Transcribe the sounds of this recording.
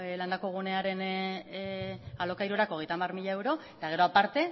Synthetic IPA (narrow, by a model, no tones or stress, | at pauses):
land̪ako̞ɣ̞une̞aɾe̞n | alo̞kajɾuɾakoɣ̞e̞jt̪amarmiʎae̞wɾo̞et̪aɣ̞e̞ɾo̞apaɾt̪e̞